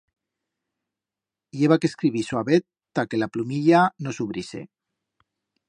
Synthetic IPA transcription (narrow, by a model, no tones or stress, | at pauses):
jeβakeskɾiβiswaβet̪ː | akelaplumiʎanosuβɾisḛ